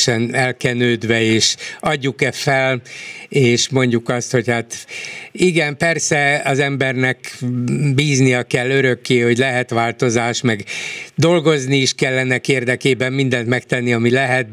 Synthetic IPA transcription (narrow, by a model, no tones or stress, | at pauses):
ʃɛnɛlkɛnøːd̪ʋɛeːʃɒɟːukɛfɛleːʃmo̞ɲɟukɒst̪ho̞chat̪ | iɡɛmpɛrsɛɒzɛmbɛrnɛk | biːznijɒkɛlːøɾø̞kːeːho̞ɟlɛɦɛt̪ʋaːlt̪o̞zaːʃmɛɡd̪o̞lɡo̞zniːʃkɛlːɛnɛkeːrd̪ɛkeːbɛmmind̪ɛnt̪mɛkt̪ɛnːiɒmilɛɦɛt̪̚